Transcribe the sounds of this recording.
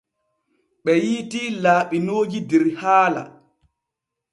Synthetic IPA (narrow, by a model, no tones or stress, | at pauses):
ɓɛjiːtiːlaːɓinoːd͡ʒidɛɾhaːla̰